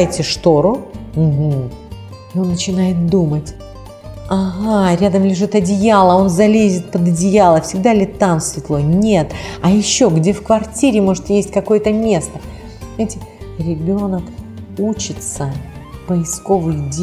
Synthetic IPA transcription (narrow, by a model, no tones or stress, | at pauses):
ɪtʲɪʂt̪o̞ɾʊm̩ɦm̩ | ɪo̞nːət͡ɕɪnajɪt̪̚d̪umətʲ | ɐɣaɾʲad̪əmlʲɪʐɨt̪ɐdʲɪjalˠəo̞nzɐlʲezʲɪt̪̚pəd̪ɐdʲɪjalˠəfsʲɪɡd̪alʲɪt̪ːamsvʲɪt̪lˠo̞nʲe̞t̪ɐjɪɕːo̞ɡdʲe̞fkvɐrtʲiɾʲɪmo̞ʐɨt̪jesʲtʲkɐko̞jət̪əmʲe̞st̪ə | mʲajɪtʲɪɾʲɪbʲo̞nəkut͡ɕɪt̪səpəɪsko̞vɨjdʲ